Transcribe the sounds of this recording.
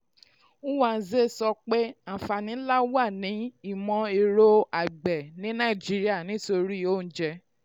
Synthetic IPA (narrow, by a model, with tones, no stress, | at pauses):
u˦wa˨˦ze˦˨sɔ˧k͡pe˦a˨fa˨nĩ˨˦la˦wa˦˨nĩ˨˦i˦˨mɔ̃˧e˧ɾo˦a˨ɡ͡bɛ˨nĩ˨˦nã˦˨i˨d͡ʒi˦ɾi˦a˦˨nĩ˨˦to˧ɾi˦˨o˦˨n̩˦d͡ʒɛ˧